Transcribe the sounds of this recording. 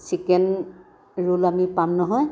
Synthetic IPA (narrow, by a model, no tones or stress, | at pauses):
sikɛn | ɹulamipamnɔɦɔj